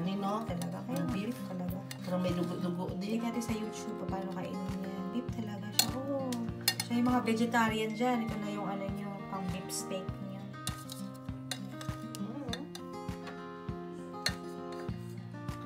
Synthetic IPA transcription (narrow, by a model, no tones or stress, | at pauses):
nɪnot̪ɐlɐɡakɐjabilɪpt̪ɐlɐɡapɛɾomɐjlʊɡoʔd̪ʊɡoʔ̪d̪ɪlikat̪ɛsɐjut̪ub̚ɐpaːnokɐʔɪ̰nmnndɪp̚t̪ɐlɐɡaʃaʔo | ʃajʊŋmɐŋabɛd͡ʒɛt̪aɾɪɐnd͡ʒanɪt̪onɐjʊŋʔɐlɐɲopɐŋbipst̪ɛk̚ɲa